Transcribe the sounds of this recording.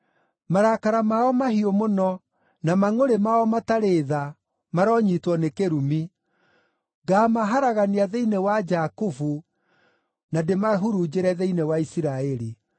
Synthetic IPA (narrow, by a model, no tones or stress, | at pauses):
maɾakaɾamaɔmahiomonɔ | namaŋoɾemaɔmataɾeða | maɾɔɲitwɔnekeɾumi | ɡaːmaɦaɾaɣaniaðeinewad͡ʒakufu | nademaɦuɾud͡ʑeɾɛðeinewaisiɾaɛɾi